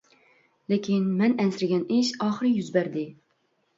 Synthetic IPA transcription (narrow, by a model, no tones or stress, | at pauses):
lɪkʲʰinmɛnɛnsɪɾɪɡʲɛnɪʃɑːχəɾɨjyzbæɾd̪ɪ